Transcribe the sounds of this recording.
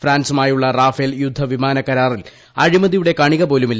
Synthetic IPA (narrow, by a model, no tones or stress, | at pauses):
fraːnsɐmaːjuɭːɐraːfeljud̪ʱːɐʋimaːnɐkːɐɾaːril | ɐɻimɐðijuɽe̞kɐɳiɣɐpo̞ːlumilː